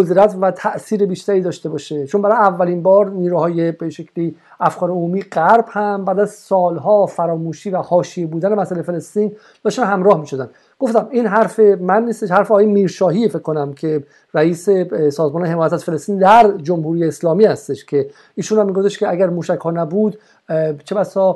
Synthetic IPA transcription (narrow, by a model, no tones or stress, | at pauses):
od̪ɾæt̪ʰvæt̪ʰæʔsiːɾebiːʃt̪æɾiːd̪ɒːʃt̪e̞bɒːʃet͡ʃʰonbæɾɒːjeævːælinbɒːɾniːɾuːhɒːje̞beʃecʰli | æfkɒːɾeomuːmiːɢæɾb̥hæmbæːd̪æz̥sɒːlɦɒːfæɾɒːmuːʃiːvæhɒːʃije̞buːd̪ænemæsælejfelest̪iːn | d̪̥ɒːʃt̪ænhæmɾɒːhmiːʃo̞d̪æn | ɡ̥o̞ft̪æmiːnɦæɾfe̞mænːiːst̪eʃhæɾfeɒɣjemiːɾʃɒːɦiːfekʰːo̞næmcʰe̞ | ɾæiːse̞sɒːzmɒːne̞ɦemɒːjæt̪æt̪fe̞lest̪iːnd̪æɾd͡ʒomhuːɾijeːslɒːmiːhæst̪e̞ʃcʰe̞ | iːʃuːnhæmːiɡoft̪eʃkceæɟæɾmuːʃæchɒːnæbuːd̪ | t͡ʃʰebæsɒː